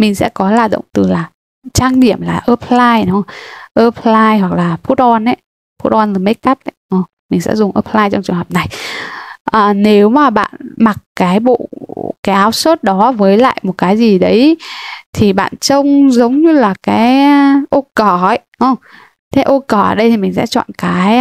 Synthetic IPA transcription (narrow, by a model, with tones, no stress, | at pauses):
mï˨˩ŋ̟sɛ̰˧˥kɔ˨˦laː˨˩ɗə̰˧˨ŋ͡mt̪ɨ˨˩laː˨˩ | t͡ɕaː˧ŋɗi˧˩əmlaː˨˩ʔəː˧p̚laː˧jnɔ˨˦ʔəː˧p̚laː˧jɦwa˨˩k̚laː˨˩fu˦˥t̚ʔɔ˧nʔə˨˦j | fu˦˥t̚ʔɔ˧nlaː˨˩me˦˥t̚kaː˦˥p̚ʔə˨˧˦jʔə˧˩ | mi˨˩ŋ̟sɛ̰˧˥zʊ˨˩ŋ͡mʔəː˧˩p̚laː˧jt͡ɕɔ˧ŋ͡mt͡ɕɨ˨˩əŋɦəː˨˩p̚na˨˩j | ʔəː˨˩ne˨˦wmaː˨˩ɓa̰ː˧˨nma˨˩k̚kaː˨˦jɓo̰˧˨kaː˨˦jʔaː˨˦wsoː˦˥t̚ɗɔ˨˦vəː˨˦jla̰ː˧˨jmo˨˩t̚kaː˨˦jzi˨˩ɗə˨˦jt̪ʰi˨˩ɓa̰ː˧˨nt͡ɕə˧wŋ͡mzə˨˦wŋ͡mɲɨ˧laː˨˩kaː˨˦jʔo˧kə˧˩ə˨˦jʔə˧˩ | t̪ʰe˨˦ʔo˧kəː˧˩ə̰ː˨˩ɗə˧jt̪ʰi˨˩mï˨˩ŋ̟sɛ̰˧˥t͡ɕɔ̰˧˨nkaː˨˦j